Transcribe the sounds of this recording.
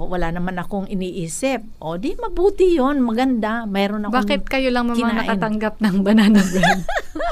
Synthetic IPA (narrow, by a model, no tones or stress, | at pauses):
wɐlanɐmanɐkoŋɪniːʔiːsɪp̚ʔod̪imɐbuːt̪ɪjonmɐɡɐnd̪amɛːɾo̞nɐbaːkɪt̪̚kɐjolɐŋmɐmkɪaanɐʔkːnt̪ɐŋɡap̚nɐŋbɐnanɐɡɛn